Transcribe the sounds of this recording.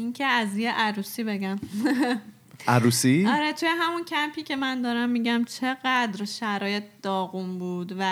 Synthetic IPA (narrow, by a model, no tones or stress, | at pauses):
incʰeæzjeʔæɾuːsiːbe̞ɟæm | ʔæɾuːsiɒɾe̞t̪ʰujeɦæmuncʰæmpʰiːcʰe̞mænd̪ɒːɾæmːiːɟæmt͡ʃʰe̞ɣæd̪ɾʃæɾɒːje̞t̪̚ʰd̪̥ɒːɣunbuːd̪væ